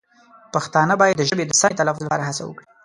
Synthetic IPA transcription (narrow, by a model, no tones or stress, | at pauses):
paxt̪ɑnəbɑjad̪ːəʒəbed̪əsɑnet̪alafʊzlapɑ̰ɾaɦasa̰wə̰kɽi